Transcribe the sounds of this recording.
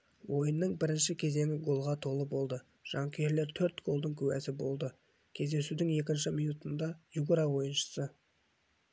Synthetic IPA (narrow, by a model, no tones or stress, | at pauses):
wʔo̞jənːəɴbɪɾɪnʃɪkʲʰe̞ze̞ŋʲɪɡo̞lˠʁɑt̪ʰo̞lˠəbo̞lˠd̪ə | ʒ̥ɑŋkʲʰe̞ɾle̞ɾt̪ʰɵɾt̪ɡ̥o̞lˠd̪əɴkʲʰɵwæ̰sɪbo̞lˠd̪ə | kʲʰe̞zd̪e̞sud̪ɪŋe̞kʲɪnʃɪmijnut̪ənd̪ɑjuɡʊɾɑwo̞jənʃə̥sə